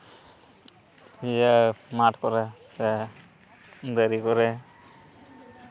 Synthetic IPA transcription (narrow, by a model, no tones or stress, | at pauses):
ijamaʈkɔɾɛsɛ | d̪əɾikɔɾɛ